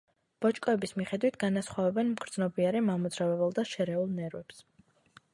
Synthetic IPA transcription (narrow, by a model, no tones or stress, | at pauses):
b̥ɔt͡ʃʼkʼɔɛbismiχɛd̪wit̪ʰɡ̥anasχwavɛbɛnmɡ̥ɾd̪znɔbiaɾimamud̪zɾavɛbɛlˠd̪aʃɛɾɛulˠnɛɾwɛps